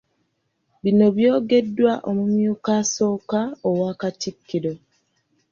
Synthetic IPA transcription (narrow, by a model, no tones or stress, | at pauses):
βino̞βjo̞ːɡe̞dːwaʔomumjuːkaso̞ːkaowaːkatikːiɾo̞